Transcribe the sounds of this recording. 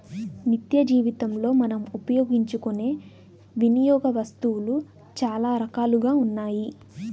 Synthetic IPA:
nit̪jɐd͡ʒiːʋit̪ɐmlo̞ːmɐnɐmupɐjoːɡiɲt͡ʃukune̞ː | ʋinijɔːɡɐʋɐst̪uwulu | t͡ʃaːlaːɾɐkaːluɡaːunːaːji

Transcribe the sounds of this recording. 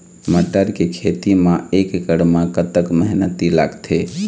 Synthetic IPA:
məʈːəɾkekʰet̪imãekɡəɽmãkət̪əkməɦinət̪ila̰ɡt̪ʰe

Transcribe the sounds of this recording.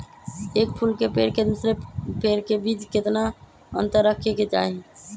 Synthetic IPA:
eːk̚pʰulkepḛːɾked̪usɾepeːɾkebiːd͡ʒkɪt̪na | ə̰̃nt̪əɾːəkʰeket͡ʃa̰ːɦe

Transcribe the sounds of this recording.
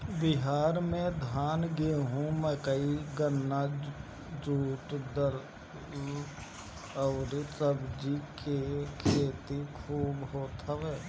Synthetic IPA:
bɪɦaːɾmẽd̪ʱaːnɡeɦũmɛ̃ːkəiɡənːa | d͡ʒuːʈd̪əɾ | əːɾisəbd͡ʒikekʰeːt̪ikʰuːbɦoːt̪ʰaʋɛː

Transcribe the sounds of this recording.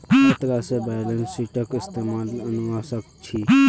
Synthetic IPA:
kʰət̪ɾasebajlensiʈəkɪst̪emalənuʋasək̚t͡ʃʰi

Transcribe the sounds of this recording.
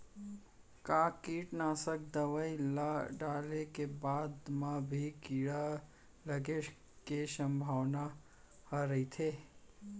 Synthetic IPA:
kaːkiːʈnaːsəkd̪əʋəilaɖaːlekebaːd̪mãbʱikiɽa | ləɡe | keʃə̃mbʱaʋna | həɾəit̪ʰe

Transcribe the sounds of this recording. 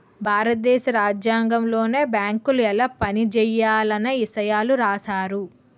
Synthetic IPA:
bʱaːɾɐt̪̚d̪ɛːʃɐɾaːd͡ʒjaːŋɡɐmlo̞ːne̞ːbjaːŋkuluɛlɐpɐnid͡ʒɛjːaːlɐneisɐjaːluɾaːsaːɾu

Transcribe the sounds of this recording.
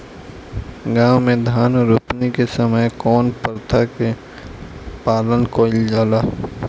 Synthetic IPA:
ɡãːwmẽd̪ʱaːnɔɾʊpnikesəməjkɔːnpəɾt̪ʰake | paːlənkoːɪld͡ʒaːlaː

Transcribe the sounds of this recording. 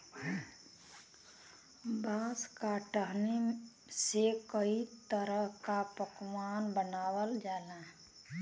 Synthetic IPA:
baːskaʈəɦni | sekəit̪əɾəɦkapəkwanbənaːwəld͡ʒaːla

